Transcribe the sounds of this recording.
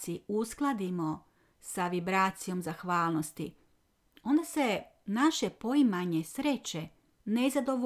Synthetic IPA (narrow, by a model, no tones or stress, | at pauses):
siusklˠad̪imo̞ | saʋibɾaːt̪sijo̞mzaxʋaːlˠno̞st̪ḭ | o̞nd̪ase̞ | naʃe̞po̞imaɲesɾet͡ɕe | nezad̪o̞ʋ